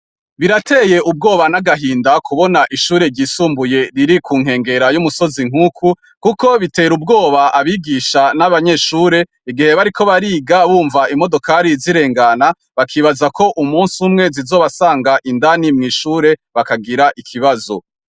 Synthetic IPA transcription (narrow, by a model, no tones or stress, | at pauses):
βiɾatʰe̞je̞ʔub̚ɡo̞ːβanaɡaɦiːndakʰuβo̞naʔiʃuːɾe̞ɾɟiːsuːmbuje̞ɾiɾikʰuːŋɦe̞ːŋɡe̞ɾajumuso̞ziŋ̥huːkʰu | kuko̞βite̞ːɾub̚ɡo̞ːβaʔaβiɡiʃanaβaɲe̞ʃuːɾe̞ | iɡihe̞βaɾikʰo̞βaɾiːɡaβuːɱvaimo̞do̞kaɾiziɾe̞ːŋɡana | βakʰiːβazakʰo̞ʔumuːnsumŋe̞zizo̞ːβasaːŋɡaʔindanimŋiːʃuːɾe̞βakaɡiɾaʔikʰiβazo̞̰